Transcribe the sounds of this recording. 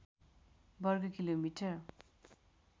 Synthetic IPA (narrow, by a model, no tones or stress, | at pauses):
bʌrɡʌkilomiʈʰʌr